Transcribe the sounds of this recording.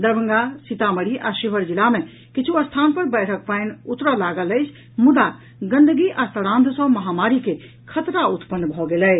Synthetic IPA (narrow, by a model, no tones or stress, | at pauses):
d̪əɾbəŋɡasit̪aməɽiʔaʃibʱəɾd͡ʒilame | kit͡ʃʰuəst̪ʰanpəɾbəɪʈʰək̚pəɪnut̪ɾəlaɡələɪt͡ʃʰ | mud̪a | ɡə̃nd̪əɡiʔast̪əɽãnd̪ʱsə̃məɦamaɾike | kʰət̪ɾaut̪pənːbʱɔɡelɛ